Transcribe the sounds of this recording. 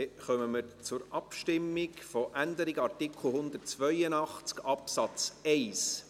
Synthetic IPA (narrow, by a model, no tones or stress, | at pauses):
eχœməməɾt͡sʊɾʔɑpʃtɪmːɪɡfoʔænd̪əɾɪɡɑrtɪkʰl̩ˠhʊnd̪ərtt͡sʋœjənɑχt͡skɑpsɑt͡sɛɪs